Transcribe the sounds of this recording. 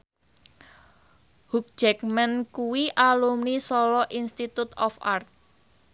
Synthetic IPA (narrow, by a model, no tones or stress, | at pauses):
huk̚ʒ̥ɛk̚mɛnkuwiʔalumnisɔlɔʔinst̪it̪ut̪ɔfa̰rt̪̚